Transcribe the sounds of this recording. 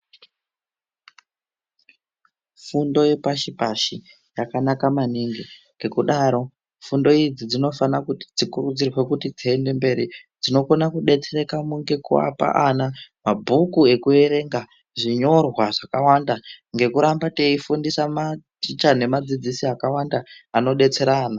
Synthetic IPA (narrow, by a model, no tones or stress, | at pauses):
fundo̞jepaʃipaʃi | jakanakamaniŋɡiŋɡe̞kuɗaɾo̞ | fundo̞id͡zid͡zino̞fanakuti̥d͡zikurud͡zirwe̞kutid͡ziende̞mbe̞ɾid͡zino̞konakuɗe̞t͡se̞ɾe̞kamuŋɡe̞kua̰pa̰ʔanamabʱukue̞kue̞ɾe̞ŋɡa | ʐiɲo̞rwaʐakawandaŋɡe̞kuɾambate̞ifundisamat͡ʃit͡ʃane̞mad͡zid͡zisiakawandaːno̞ɗe̞t͡se̞ɾaːna